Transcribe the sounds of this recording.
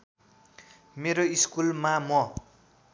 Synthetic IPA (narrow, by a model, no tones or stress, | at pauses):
meɾoiskulmamʌ